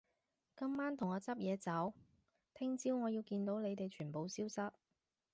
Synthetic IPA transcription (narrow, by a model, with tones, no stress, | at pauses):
kɐ˥mmaː˥nt̪ʰʊ˨˩ŋːɔː˨˧t͡sɐ˥p̚jɛː˨˧t͡sɐ˨˥w | t̪ʰɪ˥ŋt͡siː˥wŋɔː˨˧jiː˧wkiː˧nt̪o˨˥wne˨˧jt̪e˨jt͡ʃʰyː˨˩npo˨wsiː˥wsɐ˥t̚